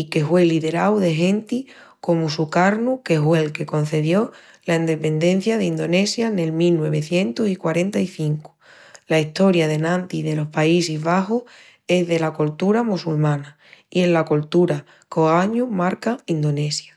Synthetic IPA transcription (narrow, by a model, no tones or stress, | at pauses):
ike̞hwe̞liðe̞ɾawðe̞ɦẽ̞nt̪i | ko̞musukaɾnuke̞ɦwe̞lke̞ko̞n̟θe̞ðjo̞ | laind̪e̞pe̞nd̪ẽ̞n̟θjaðeind̪o̞ne̞sjane̞lmilnwe̞β̞e̞θje̞nt̪osikwaɾe̞nt̪aiθiŋku̥ | laiht̪o̞ɾjaðe̞nãnt̪iðe̞lo̞hpaisizβaxoh | e̞zðe̞lakult̪uɾamusulmãna | ie̞nlakolt̪uɾa | koaɲumaɾkaind̪o̞ne̞sja